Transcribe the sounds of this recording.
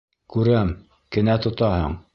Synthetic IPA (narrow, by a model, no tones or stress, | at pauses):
kʉɾæm | kɘ̆næt̪ŏt̪ɑhɤ̰ɴ